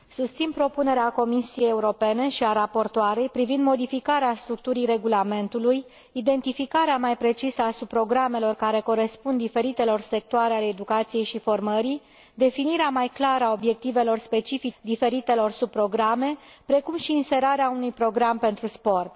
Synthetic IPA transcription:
sust̪sinpɾo̞pune̞ɾeako̞misije̞jeuɾo̞pe̞ne̞ʃiaɾapo̞rt̪oaɾe̞jpɾivind̪mo̞d̪ifikaɾeast̪ɾuk̚t̪uɾijre̞ɡulame̞nt̪uluj | id̪e̞nt̪ifikaɾeamajpɾe̞t͡ʃisəasub̚pːɾo̞ɡɾame̞lo̞rkaɾe̞ko̞ɾe̞spund̪ife̞ɾit̪e̞lo̞rse̞k̚t̪oaɾeale̞ːd̪ukat̪sije̞jʃifo̞rməɾi | d̪e̞finiɾeamajklaɾəao̞bje̞k̚t̪ive̞lo̞rspe̞t͡ʃifid̪ife̞ɾit̪e̞lo̞rsub̚pːɾo̞ɡɾame̞pɾe̞kumʃiːnse̞ɾaɾeaunujpɾo̞ɡɾampe̞nt̪ɾuspo̞rt̪

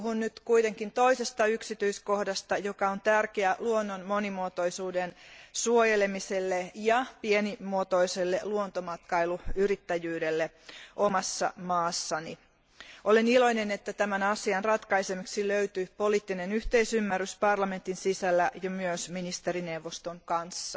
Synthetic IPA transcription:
uhunnyt̪kuit̪e̞ŋkint̪o̞ise̞st̪ɑyksit̪yisko̞hdɑst̪ɑjo̞kɑont̪ærkeæluonːonmo̞nimuot̪o̞isuːdensuojelemiselːejɑpienimuot̪o̞iselːeluont̪omɑt̪kɑiluyrit̪ːæjyːdelːe | ʔomɑsːɑ̰mɑːsːɑni | ʔolenilo̞jnenet̪ːæt̪æmænɑsiɑnrɑt̪kɑisemiksiløyt̪ypo̞liːt̪ːinenyht̪eisymːæryspɑrlɑme̞nt̪insisælːæʔjɑmyøsminist̪eɾinewʋːost̪oŋkɑnsːɑ

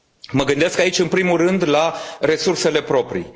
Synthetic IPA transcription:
məɡɨnd̪eskait͡ʃʲɨnpɾimurɨnd̪laɾe̞surse̞le̞pɾo̞pɾḭ

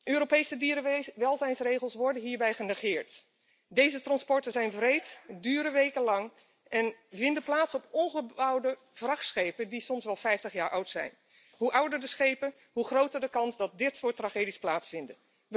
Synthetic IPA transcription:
ʔøːɾopejsədiʋɛlˠzɛjnsrejχəlˠsʋɔɹdənɦiːɹbɛjχənəχɪːɹt | dejzətrɑnspɔɹtəzɛjnvrejtdyːɾəʋejkənlɑŋ | ʔɛnvɪndəplaːtsɔpɔnχəbɑwdə | v̥rɑχsχejpədisɔmsʋɛlˠfɛjftəχjaːɹʔʌwtsɛ̰jn | ɦuʔʌwdəɹdəsχejpən | ɦuχrowtəɹdəkɑnzdɑt̚dɪtsʊːtraχeːdisplaːtsfɪndə | ʋə

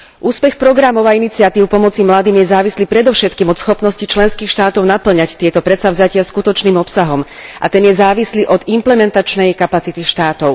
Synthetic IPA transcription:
ʔuːspɛxpɾɔɡɾamɔʊainit͡siat̪iːʊpɔmɔt͡simlad̪iːmjɛzaːʋisliːpɾɛd̪ɔʊʃɛt̪kiːmɔt̪sxɔpnɔscit͡ʃlɛnskiːxʃt̪aːt̪ɔʊnapl̩ɲact̪ɪɛt̪ɔpɾɛt̪savzacɪaskut̪ɔt͡ʃniːmɔpsaɦɔmʔa̰t̪ɛnjɛzaːʋisliʔɔd̪implɛmɛnt̪at͡ʃnɛjkapat͡sit̪iʃt̪aːt̪ɔʊ

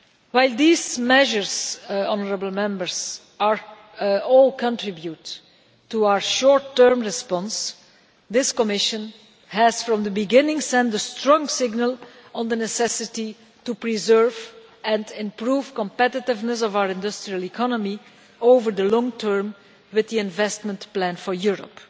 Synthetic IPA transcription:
waɪlˠd̪iːzmɛʒəɹzɔnəɹəbl̩ˠmɛ̃mbəɹz̥ | aɹ | ɔːlˠkʰə̃ntɹɪbjutː | uaʊə˞ʃɔɹtːɜɹmɹɪspɔ̃ns | d̪ɪskɔmɪʃə̃n | hɛz̥fɹɔ̃md̪əbɪɡɪ̃nɪ̃ŋsɛ̃ndəstɹɔ̃ŋsɪɡnəlˠə̃nd̪ənɛsɛsɪti | tupɹizɜɹv | ɛ̃ndɪ̃mpɹuːv̥kɔ̃mpɛtɪtɪvnəsɔvawəɹɪ̃ndʊstɹiəlˠikʰɔnəmi | oʊvəɹd̪əlɔ̃ŋtʰɜɹm | wɪððiɪ̃nvɛstmə̃ntplæ̃nfɔɹjuɹɔ̰p

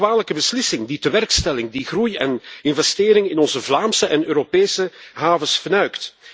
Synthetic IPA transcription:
ʋaːnləkəbəslɪsɪŋditəʋɛrkstɛlɪŋdiɣrujɛnɪnvɛsteːɾɪŋɪnɔnzəvlaːmsəʔɛnøːɾopeːjsəɦaːvəsfənœɥkt

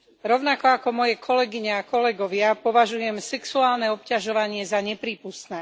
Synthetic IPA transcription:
ɾɔʊnakɔakɔmɔjɛkʰɔlɛɡiɲɛakɔlɛɡɔʋɪapɔʋaʒujɛmsɛksuaːlnɛɔpcaʒɔʋaɲɪɛzaɲɛpɾiːpust̪nɛː

